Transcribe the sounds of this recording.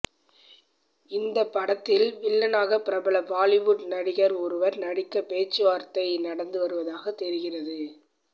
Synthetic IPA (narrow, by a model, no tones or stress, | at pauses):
ɪnd̪ɐpːɐɽɐt̪ːɪlʋɪɭːɐnaːɣɐpɪɾɐbɐɭɐbaːlɪʋʊʈnɐɽɪɣɐɾɔɾɯʋɐɾnɐɽɪkːɐpeːt͡ʃːɯʋaːɾt̪ɐɪnɐɽɐnd̪ɯʋɐɾɯʋɐðaːɣɐt̪ːɛɾɪɣɪrɐðɯ